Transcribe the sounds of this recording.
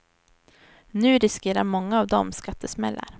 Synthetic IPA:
nʉ̟ːɾɪskeːɾaɾmɔŋːaːvd̪ɔmskat̪ʰːəsmɛlːa̰ɾ

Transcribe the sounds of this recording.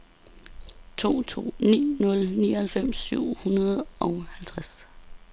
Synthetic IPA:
t͡sʰo̝̰ːt͡sʰo̝̰ːnḭːnɔ̽lniːɒhælfem̰syʊ̰hunɐð̩ˠɒ̽ʊhælt͡sʰʁas

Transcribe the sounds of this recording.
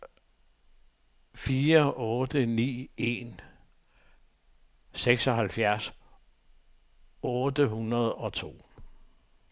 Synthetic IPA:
fiːɐɔ̽ːd̥ənḭːe̝̰ːn | seɡ̥sɒ̽ɦælfjæɐs | ɔːd̥əhunɐð̞ˠɒ̽t͡sʰo̝̰ː

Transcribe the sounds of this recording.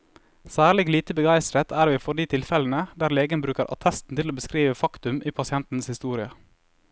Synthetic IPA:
sæːɾɭɪɡliːt̪əbəɡɑɪst̪ɾət̪ʰæːɾʋɪːfɔɖiːt̪ʰɪlfɛln̩əd̪æːɾleːɡənbɾʉːkəɾʔɑ̰t̪ʰɛst̪n̩t̪ɪloːbəskɾiːʋəfɑkt̪ʉmʔiːpʰɑsɪɛnt̪n̩shɪst̪uːɾɪə

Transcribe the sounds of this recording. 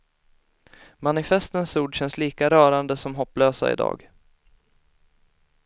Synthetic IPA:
manɪfɛst̪ənsuːɖɕɛnsliːkaɾœːɾand̪əsɔmɦɔpːløːsa̰ɪ̰d̪ɑ̰ːɡ

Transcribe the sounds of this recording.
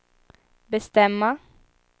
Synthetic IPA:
bɛst̪ɛmːa

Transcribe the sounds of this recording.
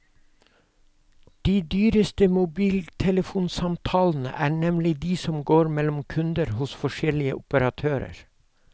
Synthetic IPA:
d̪̥iːd̪yːɾəst̪əmʊbiːlt̪ʰɛləfuːnsɑmt̪ʰɑːln̩ə̰ʔæːɳɛmlɪd̪iːsɔmɡoːɾmɛlɔmkʰʉnd̪əɾhʊsfɔʃɛlɪə̰ʔʊpəɾɑt̪ʰøːɾə̰ɾ

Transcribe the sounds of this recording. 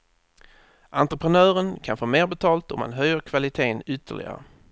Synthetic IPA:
ʔant̪ɾəpʰɾənœːɾənkʰanfoːmeːɾbɛt̪ʰɑːlt̪ɔma̰nɦœjːəɾkʰvalɪt̪ʰeːnʏt̪ʰːə̰ɭɪ̰ɡa̰ɾə̰

